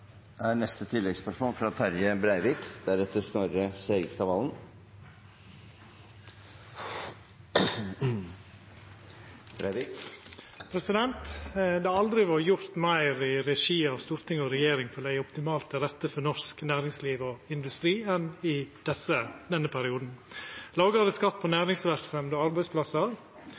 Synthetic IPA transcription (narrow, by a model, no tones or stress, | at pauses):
æɾnɛst̪ət̪ʰɪlːɛɡspʰɑʈfɔmfɾɑt̪ʰæɾjəbɾæɪʋɪkd̪æɾɛt̪ːəsnoːɾəseɪɡst̪ɑʋɑlən | bɾ | pʰɾɛsɪd̪ɛnt̪d̪ɛɑld̪ɾɪʋɑɾjʊɾt̪mæɪɾɪɾɛʂiːɑʋst̪uːɾt̪ɪŋɔɾɛjeːɾɪŋfɔɾd̪æɪɔpt̪ɪmɑːlt̪ɛɾɛt̪ːəfɔnɔsknæːɾɪŋsliːʋɔɪnd̪ʉst̪ɾiːɛnɪd̪̥ɛsəd̪ɛnːəpʰæɾɪuːd̪n̩lɑːɡɑd̪əskɑt̪ːpʰonæːɾɪŋsʋæɾksɛmd̪oɑɾbæɪspʰlɑsɑɾ